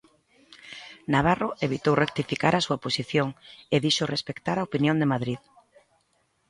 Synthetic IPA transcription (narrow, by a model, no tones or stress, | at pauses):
naβ̞aroʔeβit̪owrʔek̚t̪ifikaɾasuaposiθjoŋeðiʃʊrespekt̪aɾaopinjõnd̪emaðɾið